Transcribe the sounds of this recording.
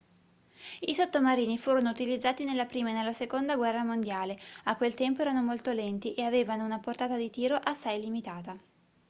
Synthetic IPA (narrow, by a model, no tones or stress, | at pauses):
isot̪ːomaɾiːnifuːɾonout̪ilid̪zːaːt̪inelːapɾiːmanelːasekond̪aɡwɛrːamond̪jaːleakːwelt̪ɛmpoɛːɾanomolt̪olɛnt̪iʔeaveːvanounaport̪aːt̪ad̪it̪iːɾoʔasːajlimit̪aːt̪a